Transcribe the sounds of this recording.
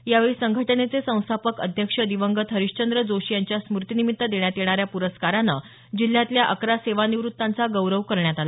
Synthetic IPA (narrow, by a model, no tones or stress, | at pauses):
jaʋeɭiːsəŋɡʱəʈənet͡sesə̃w̃st̪ʰapəkəd̪ʱjəkʂəd̪iʋəŋɡət̪ʰɦəɾiʂt͡ɕənd̪ɾəd͡zoɕijaɲt͡ɕjasmuɾt̪inimit̪ːəd̪eɳjat̪jeɽ̃aɾjapuɾəskaɾanːə | d͡ʑil̤jat̪ljaʔəkɾaseʋaniʋɾut̪ːant͡saɡəwɾəʋkəɾɳjat̪ala